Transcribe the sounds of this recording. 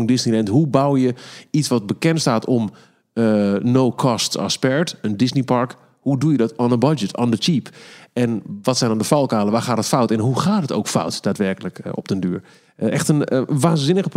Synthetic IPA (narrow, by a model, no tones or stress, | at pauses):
ndɪsnilɛntɦubawjəisʋɔt̚bəkɛntstaːtʰɔm | ənowkʰɔstsa̰spɛɹtəndɪsnipɑɹk | hudujədɔtanənbad͡ʒətʰa̰ːndət͡ʃipɛnʋɔtsɛjndɔ̃ndəfɔlˠkaːlˠəʋaːχaːtətfawtɛnɦuxaːtɦəto̰wkfa̰wtd̥aːtʋɛrkələkɔ̰p̚təndyːɹ | ɛxtənʋaːnzɪnəɣəp